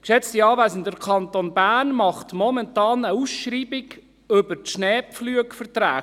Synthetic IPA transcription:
kʃɛt͡stiɑːvæɪsən̩d̥əɾkʰɑntonbænmɑχtmɔmɛntɑːnəusʃɾiːbɪɡ | ɵbətʃnɛːpflyəkfəɾt̪ɾæː

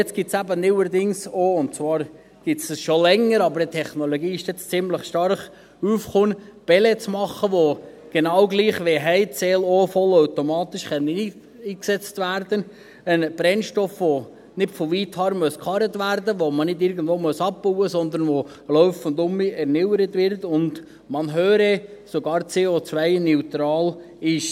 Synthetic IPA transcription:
jɛt͡sɡ̥ɪtsæbənɪwəɾd̪ɪŋsoʊntt͡svɑːɾ | ɡ̥ɪtsəsʃolɛŋːəɾɑbəɾətʰɛχnoloɡiːɪʃtɛt͡st͡sɪmləχʃtɑrχ | uːfχʊnb̥ɛlet͡smɑχəʋo | ɡ̥enɑwɡliːχʋeɦɛɪtt͡sɛːlofɔlœwtɔmɑːt̪ɪʃχɛniː | iːksɛt͡st̪ʋæɾd̥̪ən | ənb̥ɾɛnʃtɔfʋo | nɪtfoʋiːthɑːɾmœskχɑɾətʋæɾdəʋomənɪdɪɾɡən̩d̥voːmœsɑp̚puwəsɔnd̪ənʋo | lœʊfəndʊmiɛɾnɪwəɾətʋɪɾtʊnd | mɑnɦøːɾɛsoɡɑːɾt͡seːot͡sʋæɪnɛwt̪ɾɑːl | ɪʃ

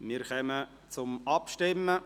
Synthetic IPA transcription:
mɪɾχɛmə | t͡sʊmɑpʃtɪmːə

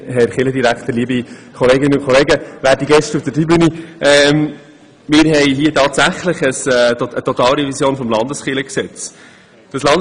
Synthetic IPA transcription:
hɛɾχɪləd̪iɾækχt̪əɾliəbikʰɔleːɡɪnənʊnkʰɔleːɡəʋæːɾdiɡɛʃtufd̥ətibyniʔɛm | mɪːɾɦɛɪɦiːətɑːtsæχləχəsət̪ɔt̪ɑːlɾiʋisjoːnfɔmlɑndəsχɪləksɛt͡s | d̥ɑslɑnd

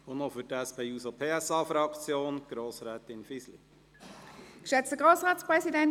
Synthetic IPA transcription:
onofytɛspʰeːuːsopʰeːɛsɑːfɾɑkt͡sjoːnɡ̥ɾoːsɾɛːt̪ɪnfislḭ | kʃɛt͡stəɡʁoːsʁaːtspʁɛsidɛn

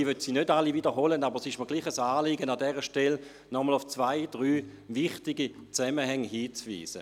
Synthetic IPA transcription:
ivøtsiːnødalividəʁɦoːlənabəʁsɪʃməɡliːχəsaːliɡənadɛʁəʃtɛl | nɔməlʊft͡svaɪd̥ʁyː | vɪχtɪɡit͡sɛməhɛŋhiːt͡svḭːz̥ə

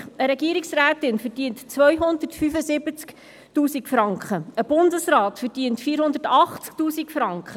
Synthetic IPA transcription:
əɾɛɡiəɾiksræːtɪnfədiəntt͡sʋœjɦʊndərtfyfəsɪbət͡sk | tuːsikfɾɑŋkχəəb̥ʊndəsɾɑːtfəɾdiəntfiːɾhʊnd̪ətɑχt͡sk̚tuːsikfɾɑŋkχə

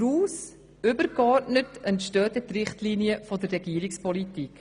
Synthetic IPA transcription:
ɾuːs | ʏbəɾkɔɾtnətəntʃtœːtɛtrɪχtliniəfodərɛɡiːəɾɪkspɔlitik

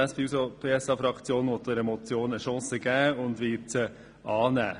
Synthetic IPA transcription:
ɑsfisopʰeːɛsɑːfɾɑkt͡sjoːnʋɔt̪̚d̥̪ɛɾɛmɔt͡sjoːnəʃɑ̃ːsəɡ̥æːʊndʋiːt͡sə | ʔɑːnæ̰ː

